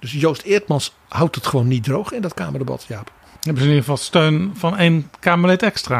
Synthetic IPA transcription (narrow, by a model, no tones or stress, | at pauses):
d̥ɵsjowstɪɹtmɑns | hawtətχəʋonːit̚drowχɪndɔtkaːməɹdəbɑ̰tjaːp | ɦɛbənzəniχə̥vɑlˠstøɥnvɑnejnkaːməlɛtɛkstraː